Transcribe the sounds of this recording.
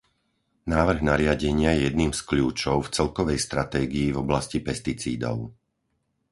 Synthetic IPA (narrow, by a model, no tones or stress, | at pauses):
naːʋr̩ɣnaɾɪaɟɛɲɪajɛjɛd̪niːmskʎuːt͡ʃɔʊft͡sɛlkɔʋɛjst̪ɾat̪ɛːɡiːvɔblascipɛst̪it͡sḭːd̪ɔ̰ʊ